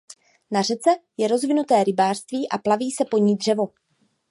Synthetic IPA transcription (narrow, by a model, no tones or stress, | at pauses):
nar̝ɛt͡sɛjɛɾo̞zvɪnut̪ɛːɾɪbaːr̥st̪viːʔaplaviːsɛpo̞ɲiːd̪r̝̥ɛvo̞